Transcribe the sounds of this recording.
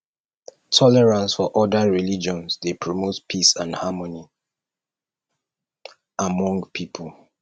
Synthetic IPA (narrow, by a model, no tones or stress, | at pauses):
tʰɔlɛɹãnsfɔʔɔdəɹilid͡ʒɔ̃nsdepʰɹɔmotpʰisãnhamɔni | ʔamɔ̃ŋɡpʰipʰəl